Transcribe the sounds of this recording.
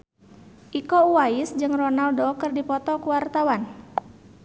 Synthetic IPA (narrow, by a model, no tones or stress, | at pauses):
ʔikɔuwajɪsd͡ʒɨŋrɔnaldɔkɨrdipɔt̪ɔkuwart̪awan